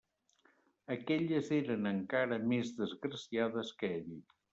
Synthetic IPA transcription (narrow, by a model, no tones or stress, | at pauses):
əkɛʎəzeɾənəŋkaɾəmezðəzɣɾəsiaðəskɛʎi